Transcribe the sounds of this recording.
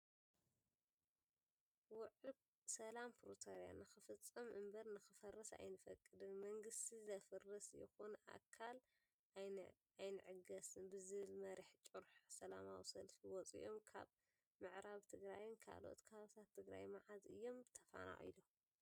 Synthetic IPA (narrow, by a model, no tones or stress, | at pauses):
wʊʕɨ | sɐlampʰɾot̪ʰoɾja̰nɨxɨfɨt͡sʼːɐmʔɨmbɐɾnɨxɨfɐrɐsa̰jnɨfɐkʼːɨd̪ɨnmɐŋɡɨst̪ʰizɐfɨrːɨsjɪ̰xonʔa̰kʰːal | j | ajnɨʕɨɡɐsɨnbɨzɨβɨlmɐɾiħt͡ʃʼuɾħsɐlamawsɐlfiwɔt͡sʼḭʔomkʰa̰β | mɨʕɾaβt̪ʰɨɡɾajnkʰa̰lo̞̰t̪kʰɐβaβt̪ʰat̪ʰːɨɡɾa̰jmaʕazɨ̰jːo̞mt̪ʰɐfa̰na̰ʔḭlo